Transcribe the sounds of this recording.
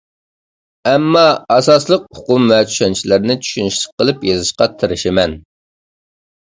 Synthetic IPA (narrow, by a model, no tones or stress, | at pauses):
ɛmːɑɑsɑslˠəq̚ʊqʊmvɛt͡ʃʰy̥ʃɛnt͡ʃʰilɪɾnɪt͡ʃʰy̥ʃynyʃlˠɨ̥q̚ʰːəlˠɨpjezɨʃqɑt̪ʰɨɾɪʃɪmɛn